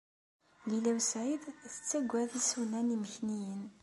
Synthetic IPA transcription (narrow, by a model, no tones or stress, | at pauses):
lilæwsʕiðθə̥t͡sːæɡʷːæðisuwnæniməçnijən